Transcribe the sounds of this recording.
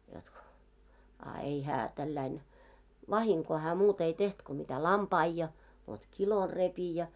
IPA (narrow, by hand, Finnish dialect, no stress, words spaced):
jot ko ɑ ei hæː tælːæin ʋɑhiŋkoː hæː muːt ei teht ko mitæ lɑmpɑi jɑ ʋot kilor repi jɑ